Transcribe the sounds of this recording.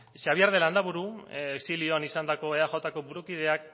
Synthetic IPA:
ʃaβiaɾð̞e̞land̪aβuɾueksilio̞anisand̪ako̞eaʝo̞t̪ako̞βuɾukið̞e̞ak

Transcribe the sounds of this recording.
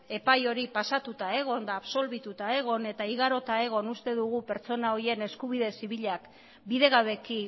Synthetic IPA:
e̞pajo̞ɾipasat̪ut̪ae̞ɣ̞o̞nd̪aːβso̞lβit̪ut̪ae̞ɣ̞o̞ne̞t̪aiɣaɾo̞t̪ae̞ɣ̞o̞nust̪e̞ðuɣupe̞ɾt͡so̞nao̞ie̞ne̞skuβ̞iðe̞siβiʎak | biðe̞ɣaβe̞ki

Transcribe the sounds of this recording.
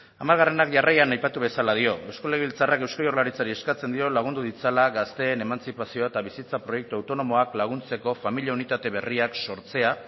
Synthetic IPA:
amalɣare̞nakʝarajanajpat̪uβ̞e̞salað̞io̞ʔe̞wskoleiβilt͡sarake̞wskajo̞rlaɾit͡saɾie̞skat͡se̞nd̪io̞laɣ̞und̪uðit͡salaɣast̪e̞ːne̞mant͡sipasio̞et̪aβisit͡sapɾo̞je̞k̚t̪uawt̪ono̞mo̞aklaɣ̞unt͡se̞ko̞familijaunit̪at̪e̞β̞e̞riakso̞ɾt͡se̞a

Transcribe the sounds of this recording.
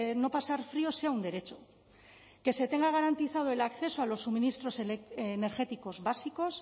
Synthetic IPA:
no̞pasaɾfɾio̞se̞aund̪e̞ɾe̞t͡ʃo̞ | ke̞se̞t̪e̞ŋɡaɣ̞aɾant̪iθað̞oe̞lakθe̞soalo̞sːuminist̪ɾo̞sene̞ɾxe̞t̪iko̞zβasiko̞s

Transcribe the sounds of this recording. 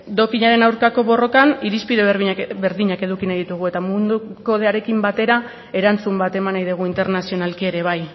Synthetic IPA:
d̪o̞kiɲaɾe̞nawɾkako̞βo̞ro̞kaniɾispiðebe̞ɾðiɲake̞ðukinajðit̪uɣ̞ue̞t̪amund̪uko̞ð̞eaɾe̞kimbat̪e̞ɾa | e̞ɾant͡sumbat̪e̞manajðiɣ̞uint̪e̞ɾnasio̞nalkie̞ɾeβ̞aj

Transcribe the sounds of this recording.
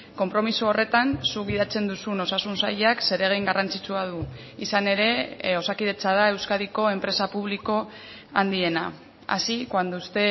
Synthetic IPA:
ko̞mpɾo̞misuore̞t̪ansuɡiðat͡se̞nd̪usuno̞sasunsa̰jakse̞ɾe̞ɣ̞ejŋɡarant͡sit͡suað̞u | isane̞ɾe̞o̞sakiðe̞t͡saðae̞wskaðiko̞e̞mpɾe̞sapuβ̞liko̞ | and̪ie̞na | a̰sikoand̪ust̪e̞

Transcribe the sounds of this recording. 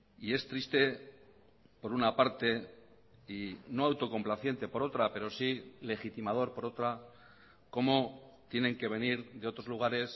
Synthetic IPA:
ie̞st̪ɾist̪e̞ | po̞ɾunapaɾt̪e̞ | ino̞awt̪o̞ko̞mplaθje̞nt̪e̞po̞ɾo̞t̪ɾape̞ɾo̞sile̞xit̪imað̞o̞ɾpo̞ɾo̞t̪ɾa | ko̞mo̞t̪jenẽ̞ŋke̞βe̞niɾðe̞o̞t̪ɾo̞zluɣ̞aɾe̞s

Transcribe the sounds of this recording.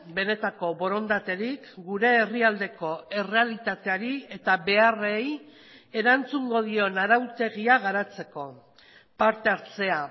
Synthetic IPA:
be̞ne̞t̪ako̞βo̞ɾo̞nd̪at̪e̞ɾikɡuɾe̞ːriald̪e̞ko̞e̞re̞alit̪at̪e̞aɾie̞t̪aβe̞are̞j | e̞ɾant͡suŋɡo̞ðio̞naɾawt̪e̞ɣ̞iaɣaɾat͡se̞ko̞ | paɾt̪e̞aɾt͡se̞a

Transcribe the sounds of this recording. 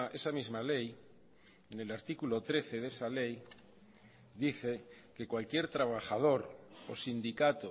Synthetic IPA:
ʔesamizmalej | enelaɾt̪ikulot̪ɾeθe̞ðesalej | d̪iθe̞ | ke̞kwalkje̞ɾt̪ɾaβ̞axað̞o̞ɾosind̪ikat̪o

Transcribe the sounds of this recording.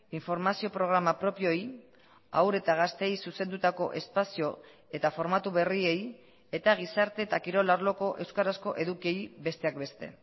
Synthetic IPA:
iɱfo̞ɾmasio̞pɾo̞ɣ̞ɾamapɾo̞pio̞j | a̰wɾe̞t̪aɣ̞ast̪e̞jsuse̞nd̪ut̪ako̞̰ʔe̞spasio̞ | e̞t̪afo̞ɾmat̪uβe̞rie̞j | e̞t̪aɣ̞isaɾt̪e̞t̪akiɾo̞laɾlo̞ko̞ʔe̞wskaɾasko̞ʔe̞ðukie̞jbe̞st̪eak̚be̞st̪e̞̰

